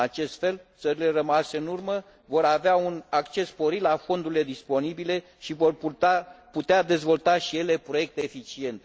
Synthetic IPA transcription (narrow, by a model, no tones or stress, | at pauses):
at͡ʃe̞st̪fe̞lt̪səɾile̞rəmase̞ɨnurmə | vo̞ɾaveaunakt͡ʃe̞sːpo̞ɾit̪lafo̞nd̪uɾile̞d̪ispo̞nibile̞ | ʃivo̞raput̪ead̪e̞zvo̞lt̪aʃije̞le̞pɾo̞je̞k̚t̪eːfit͡ʃie̞nt̪